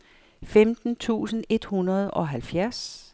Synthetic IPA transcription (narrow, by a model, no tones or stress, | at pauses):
femd̥n̩t͡sʰṵːsən̩e̝d̥hunɐð̞ˠɒ̽ɦælfjæɐ̰s